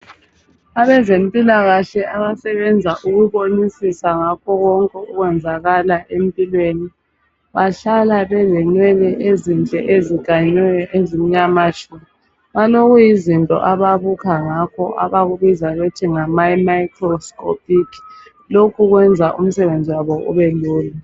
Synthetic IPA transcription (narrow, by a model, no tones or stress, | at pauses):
aβɛzempʼilaɣaɬɛʔaβasɛβɛnd͡zʱaʔuɣuβonisisaŋakʰɔɣɔŋkʼɛuɣwɛnd͡zʱaɣalaʔempʼilweni | βaɬalaβɛzɛnwɛlɛʔezint͡ɬʼɛ̰ʔeziɡ̥ʱaɲwɛjɔʔezim̩ɲamaʃumi | βaloɣujizintʼɔ̰ʔaβaβukʰaŋakʰɔʔa̰βaɣuβizaɣotʰiŋamaimaikʰrɔskʰʼɔpʰʼik | lokʰuɣwɛnd͡zʱaʔum̩sɛβend͡zʱiwaβɔʔṵβɛluːla